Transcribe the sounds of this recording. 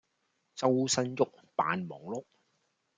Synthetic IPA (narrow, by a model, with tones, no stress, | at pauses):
t͡sɐ˥wsɐ˥njʊ˥k̚ | pa̰ː˨nmɔː˨˩ŋlʊ˥k̚